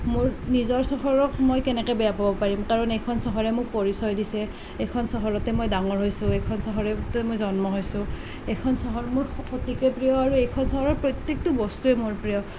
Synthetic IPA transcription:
mʊɹnizɔɹsɔɦɔɹɔkmojkɛnɛkɛbɛjapabɔpaɹimkaɹɔnejkʰɔnsɔɦɔɹɛmʊk̚poɹisɔjdisɛ | ejkʰɔnsɔɦɔɹɔtɛmojdaŋɔɹɦojsʊ̃ejkʰɔnsɔɦɔɹɛtɛmojzɔnmɔɦojsʊ̃ | ejkʰɔnsɔɦɔɹmʊɹxotikɛpɹijɔaɹuejkʰɔnsɔɦɔɹɔɹpɹɔjt̪jek̚tʊbɔstuɛmʊɹpɹijɔ

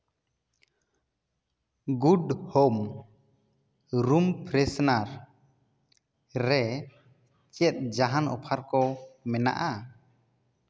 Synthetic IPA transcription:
ɡudhom | ɾumpɾɛsnaɾ | ɾɛ | t͡ʃɛt̪̚ˀd͡ʒaɦanɔ̰pʰaɾkɔmɛna̰ʔa

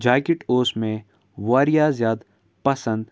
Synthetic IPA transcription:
d͡ʒaːkɪʈoːsmẽ | ʋaːɾijazjaːd̪ | pɐsə̃nd̪

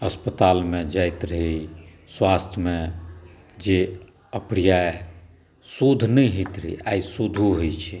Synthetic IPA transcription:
əspət̪almed͡ʒajt̪ɾəɦi | swast̪ʰmẽ | d͡ʒe | əpɾijae | sud̪ʱnəɦit̪ɾəɦiaisud̪ʱuɦojt͡ʃʰɛ

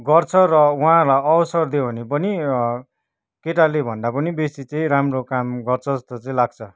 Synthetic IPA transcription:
ɡʌrt͡sʰʌrʌwuɦãlaʌwsʌrd̪ebʱʌnepʌni | keʈalebʱʌnd̪apʌnibesit͡sʌĩɾamrokamɡʌrt͡sʰʌʌst̪ot͡sʌĩlaɡ̚t͡sʰʌ

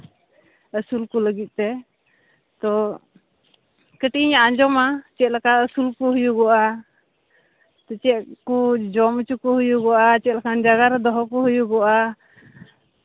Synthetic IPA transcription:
əsulkuləɡit̪̚ˀt̪ɛ | t̪ɔ | kəʈiɲaʔaɲd͡ʒɔmat͡ʃɛt̪̚ˀlakaəsulkuɦujuɡɔʔa | t̪ɔt͡ʃɛʔkud͡ʒɔmət͡ʃukuɦujuɡɔʔat͡ʃɛt̪̚lakand͡ʒaɡaɾɛd̪ɔɦɔkuɦujuɡɔʔa

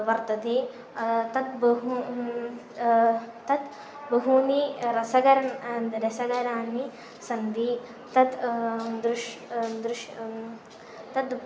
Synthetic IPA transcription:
ʋɐɾt̪ɐd̪eː | t̪ɐt̪bɐɦu | t̪ɐt̪ | bɐɦuniɾɐsɐɡɐɾɐnɾɐsɐɡɐɾaːnːi | sɐnd̪i | t̪ɐt̪d̪ɾuʃd̪ɾuʃ | t̪ɐd̪

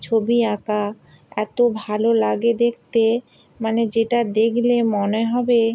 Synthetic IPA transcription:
t͡ɕʰobiaka | ɛt̪obʱalolaɡed̪ekʰt̪e | maned͡ʑeʈad̪ekʰlemoneɦɔbe

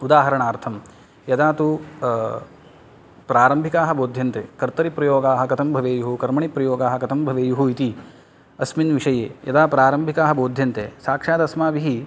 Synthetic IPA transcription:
ud̪aːɦɐɾɐɳaːɾt̪ʰɐm | jɐd̪aːt̪u | pɾaːɾɐmbʱikaːɦɐboːd̪ʱjɐnt̪ḛːkɐɾt̪ɐɾipɾɐjoːɡaːɦɐ̆kɐt̪ʰɐmbʱɐʋeːjuɦukɐɾmɐɳipɾɐjoːɡaːɦɐ̆kɐt̪ʰɐmbʱɐʋeːjuɦuit̪i | ɐsminʋiʂɐjḛːjɐd̪aːpɾaːɾɐmbʱikaːɦɐ̆boːd̪ʱjɐnt̪eːsaːkʂaːd̪ɐsmaːʋiɦi

